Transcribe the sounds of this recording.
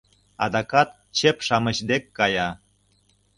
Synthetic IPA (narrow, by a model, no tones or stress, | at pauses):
ɑ̰d̪ɑkɑt̪̚ | t͡ɕepʃɑmə̆ɕd̪ekːɑjɑ